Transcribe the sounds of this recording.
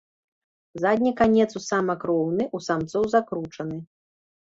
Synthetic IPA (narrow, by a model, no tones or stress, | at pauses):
zad̪ʲnʲikanʲɛt̪susamɐkɾɔwnɨʔusamt̪sɔwzakɾut͡ʂɐnɨ